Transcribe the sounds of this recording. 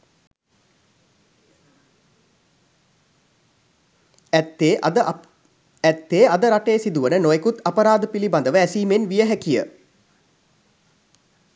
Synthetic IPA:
t̪ːe | æt̪ːeːad̪əɾaʈeːsid̪uʋənənojekut̪apəɾaːd̪əpiliband̪əʋəæsiːmenʋijəɦɛkijə̰

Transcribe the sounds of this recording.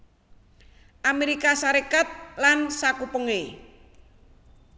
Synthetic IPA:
ʔameɾikasaɾekat̪̚lansakupəŋe

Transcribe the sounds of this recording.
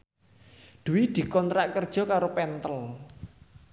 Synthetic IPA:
d̪̥ṳwid̪̥i̤kɔnt̪ɾaʔkərd̥ʒ̥ɔ̤kaɾopɛnt̪əl

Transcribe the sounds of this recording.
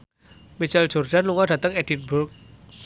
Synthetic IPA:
mit͡ʃəl̥d͡ʒ̥o̤rd̥anluŋɔɖ̥ä̤t̪əŋɛd̥inbʊk̚

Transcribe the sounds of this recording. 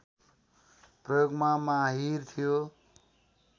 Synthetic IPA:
prʌjoɡmamaɦirt̪ʰijo

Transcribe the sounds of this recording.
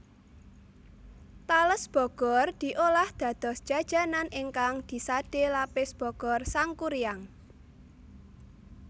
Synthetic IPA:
t̪aləsb̥ɔ̤ɡ̥ɔrd̪̥i̤ʔolahd̪̥ä̤d̪̥ɔ̤sd̥ʒ̥a̤d̥ʒ̥a̤nanʔɪŋkaŋd̪̥i̤sad̥elapɪsb̥ɔ̤ɡ̥ɔrsaŋkuɾijaŋ

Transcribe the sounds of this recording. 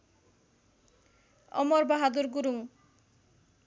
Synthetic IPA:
ɔ̰mɔɾbaɦad̪uɾɡuɾuŋ

